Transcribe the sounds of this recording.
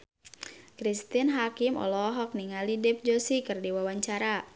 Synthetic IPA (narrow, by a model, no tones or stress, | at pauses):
kɾist̪inɦakɪmɔ̰lɔɦɔk̚niŋalidɛp̚d͡ʒosikɨrdiwawaɲt͡ʃaɾa